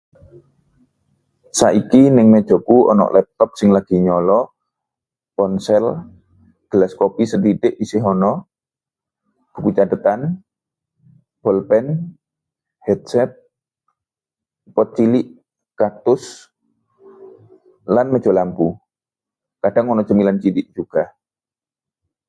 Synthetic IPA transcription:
saʔikinɪŋmɛd̥ʒ̥ɔ̤kuɔ̰nɔ̰ʔlɛp̚t̪ɔp̚sɪŋlaɡ̥i̤ɲɔlɔ | pɔnsɛl | ɡ̪̥əlaskɔpisəd̪it̪ɪʔisɪɦɔnɔ | b̥ukut͡ʃadət̪an | b̥ɔlpɛn | hɛt̪̚sɛt̪̚ | pɔt̪̚t͡ʃilɪʔ | kak̚t̪ʊs | lanmə̥d͡ʒ̥olampu | kaɖ̥aŋɔnɔsəmilant͡ʃilɪʔd͡ʒ̥uɡ̥a

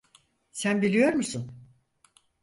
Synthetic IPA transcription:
sænbilʲijo̞ɾmusun

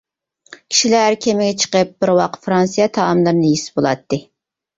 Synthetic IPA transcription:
kʲʰi̥ʃilæɾkʲʰemɪɡʲɛt͡ʃʰə̥qəp̚b̥ɪɾwɑqfɾɑnsijɑt̪ʰɑːmlˠɨɾnɨjisbolˠɑ̰t̪ːɨ

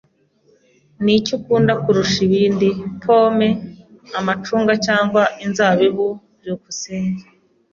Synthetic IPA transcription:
nicukuːndakuɾuʃiβiːndipʰo̞ːme̞amat͡ʃuːŋɡacaːŋɡwaʔinzaβiβu | ɾukuseːɲɡa

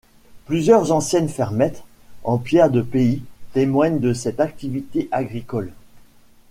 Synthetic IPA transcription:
plyzjœʁzɑ̃sjɛnfɛʁmɛt̪ | ɑ̃pjɛʁd̪əpeit̪emwaɲd̪əsɛt̪ak̚t̪ivit̪eʔaɡʁikɔl

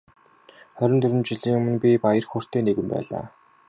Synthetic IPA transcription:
χœɾʲɪ̆nt̪ʰɵɾʲɘ̆mt͡ɕĭɮiːŋʊmɘ̆npʲipajə̆rxoːr̥t̪eːneɣɘ̆mpæ̰ːɮa̰ː

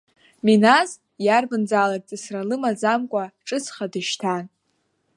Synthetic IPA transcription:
minaz | jarbɨnd͡zaːlaɡ̚ʼt͡sʼɨsralɨmad͡zamkʷʼaʈ͡ʂʼɨt͡sʰχadɨʃtʰan

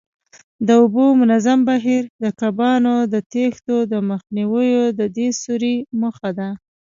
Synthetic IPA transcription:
d̪əʊbomʊnazambaɦiɾd̪əkabɑnod̪ət̪ext̪od̪əməxniwəjod̪əd̪esuɾiməxad̪a

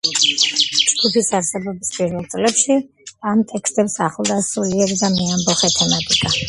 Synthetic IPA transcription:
t͡ʃɡʰup̪ʰisaɾsɛbɔbispʼiɾvɛlˠt̪sʼlɛpʃi | amt̪ʼɛkʰst̪ʼɛpsaχlˠd̪asuliɛɡd̪amiambɔχɛt̪ʰɛmat̪ʼikʼa

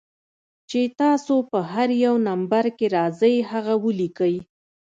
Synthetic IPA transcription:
t͡ʃet̪ɑsopəɦaɾjawnambaɾkeɾɑzəjhaɣawəlikəj

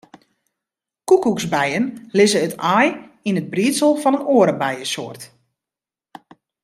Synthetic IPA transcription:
kukuksbɛjənlɪzəːtaːjinəd̚briːtsəlˠfɔnənoːəɾəbɛjəsoːərt

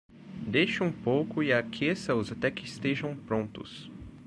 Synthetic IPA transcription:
d̪ejʃɪũpowkʊiakʰesɐʊzat̪ɛkɪɪst̪eʒɐ̃w̃pɾõnt̪ʊ̰s

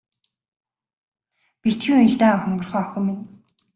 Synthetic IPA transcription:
pit̪xĭːŋɵɮt̪aːχʊɴɢɞ̆rχœːɔxʲɵ̆mːin

